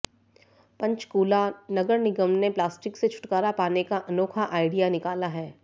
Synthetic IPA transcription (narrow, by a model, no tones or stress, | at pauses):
pɐ̃ɲt͡ʃkuːlanɐɡəɾnɪɡəmneplaːsʈɪkset͡ʃʰʊ̥ʈkaːɾapaːnekaʔɐnɔːkʰaʔaːɪɖijanɪkaːlaɦɛː